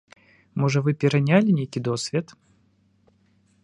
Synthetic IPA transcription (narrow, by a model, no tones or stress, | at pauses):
mɔʐəvɨpʲɪɾɐnʲalʲɪnʲejkʲid̪osvʲet̪